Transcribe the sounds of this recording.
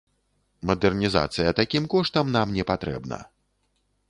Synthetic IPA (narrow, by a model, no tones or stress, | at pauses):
mɐd̪ɛrnʲiza̰t̪sɨjɐt̪akʲimkɔʂt̪ɐmnamnʲɛpat̪ɾɛ̰bnɐ̰